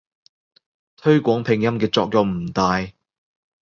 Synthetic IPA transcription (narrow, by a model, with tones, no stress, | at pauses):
t̪ʰɵ˥ɥkʷɔː˨˥ŋpʰɪ˨˩ŋjɐ˥mkɛː˧t͡sɔː˧k̚jɐ˨˧wm̩˨˩t̪aː˨j